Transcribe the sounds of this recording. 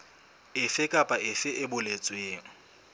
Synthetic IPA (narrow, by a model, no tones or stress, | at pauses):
ɪfɪkʼapʼaɪfɪʔɪbʊlet͡sʼɪjeːŋ̩